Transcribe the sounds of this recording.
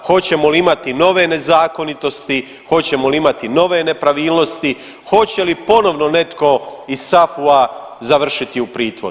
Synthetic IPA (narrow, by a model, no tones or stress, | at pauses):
xo̞t͡ɕe̞moliimat̪ino̞ʋe̞ne̞zaːko̞nit̪o̞st̪i | xo̞t͡ɕe̞moliimat̪ino̞ʋe̞ne̞pɾaʋiːlˠno̞st̪i | xo̞t͡ɕe̞lipo̞no̞ʋno̞ne̞t̪ko̞issafuazaʋr̩ʃit̪iupɾiːt̪ʋoɾ